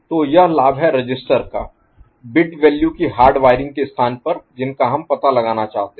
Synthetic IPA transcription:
t̪oːjɐɦlaːbɦɛɾɐd͡ʒɪsʈəɾka̰ː | bɪʈʋɛːljukiɦaːɾɖʋaːɪɾɪ̃ŋɡ̚kest̪ʰaːnpɐɾd͡ʒɪnkaɦɐmpɐt̪alɐɡaːnat͡ʃaːɦt̪e

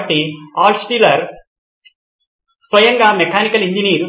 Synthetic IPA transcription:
ʈːiaːsʈilɐɾ | sʋɐjɐŋɡaːmɛkʰaːnikɐliɲd͡ʒiniːɾ

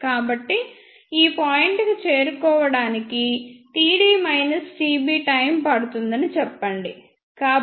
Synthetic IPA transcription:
kaːbɐʈːi | iːpaːjiɳʈɡɐt͡ʃe̞ːɾukɔːʋɐɽaːnikiʈ̪iːɽiːmɐjnɐsʈiːbiːʈɐjmpɐɽut̪und̪ɐnit͡ʃɛpːɐɳɖi | kaː

